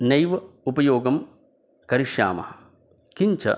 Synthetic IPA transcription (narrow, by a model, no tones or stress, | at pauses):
nɐjʋɐupɐjoːɡɐm | kɐɾiʂja̰ːmɐ̰hɐ | kiɲt͡ʃɐ̰